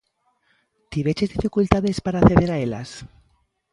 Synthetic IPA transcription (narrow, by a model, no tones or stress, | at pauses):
t̪iβet͡ʃezðifikult̪aðespaɾaːθeðeɾaela̰s